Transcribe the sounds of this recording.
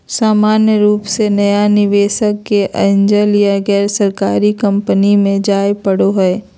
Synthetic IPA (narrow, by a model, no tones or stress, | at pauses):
saːmaːnjəɾuːpsenɐjanɪʋeːʃəkːeʔɐɲd͡ʒəlijaɡɛːɾsɐɾkaːɾikɐ̃mpənimẽd͡ʒaːjpəɽoɦɛː